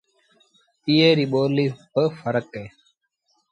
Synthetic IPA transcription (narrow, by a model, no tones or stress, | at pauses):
iːeːɾiːɓoːliːbəfəɾəkeː